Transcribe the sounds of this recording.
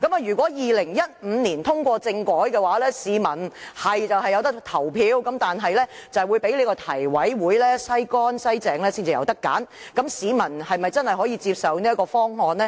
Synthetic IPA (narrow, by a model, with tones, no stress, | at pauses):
kɐ˨˥maː˨ɥyː˨˩kʷɔː˨˥jiː˨lɪ˨˩ŋjɐ˥t̚m̩˨˧niː˨˩nt̪ʰʊ˥ŋkʷɔː˧t͡sɪ˧ŋkɔː˨˥jkɛː˧waː˨˥lɛː˥siː˨˧mɐ˨˩nhɐ˨jt͡sɐ˨wɦɐ˨jːɐ˨˧wt̪ɐ˥k̚t̪ʰɐ˨˩wpʰiː˨˧wkɐ˨˧˥mt̪aː˨nɦɐ˨jlɛː˥t͡sɐ˨wuː˨˧jpe˨˥jle˨˧˥kɔː˧t̪ʰɐ˨˩jwɐ˨˥jwuː˨˥jlɛː˥sɐ˥jkɔː˥nsɐ˥jt͡sɛː˨ŋlɛː˥si˥nt͡si˨jɐ̰˨˧wt̪ɐ˥kːa̰ː˨˥n | kɐ˨˥msiː˨˧mɐ˨˩nhɐ˨jmɐ˨jt͡sɐ˥nhɐ˨jhɔː˨˥jiː˧t͡siː˧p̚sɐ˨wniː˥ɐ˥tkɔː˧fɔː˥ŋhɔː˨nlɛː˥